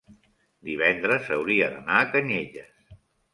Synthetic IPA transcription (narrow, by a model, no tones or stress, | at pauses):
d̪iβɛnd̪ɾəzəwɾiəðənaːkəɲeʎəs